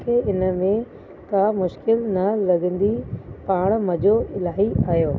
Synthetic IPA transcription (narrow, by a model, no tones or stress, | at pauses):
kʰeːɪnə̆mẽ | kamʊʃkɪlnɐlɐɠə̃n̆d̪ipaːɽ̃mɐd͡ʑoɪlaːɦiaːɦjoː